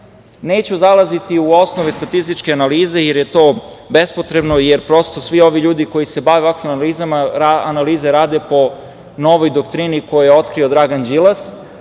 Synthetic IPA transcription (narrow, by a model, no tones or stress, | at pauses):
neːt͡ɕuzalazit̪iuo̞snoʋest̪at̪ist̪it͡ʃkeanaliːze̞jeɾjet̪o̞ːbe̞spo̞t̪ɾe̞bno̞jeɾpɾo̞st̪o̞sʋio̞ʋiʎuːd̪iko̞jise̞baʋeoakʋimaliːzamaaanaliːzeɾaːd̪e̞po̞ | no̞ʋojd̪okt̪ɾiniko̞jojeo̞t̪kɾio̞d̪ɾaɡand͡ʑilas